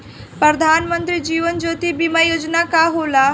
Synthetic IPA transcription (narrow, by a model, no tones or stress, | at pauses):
pɾəd̪ʱanmənt̪ɾiːd͡ʑiːʋənd͡ʒot̪ibimajod͡ʒnakaɦola